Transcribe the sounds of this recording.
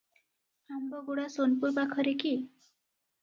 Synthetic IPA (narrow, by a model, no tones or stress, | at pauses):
ambɔɡuɽasonpuɾbakʰɔɾeki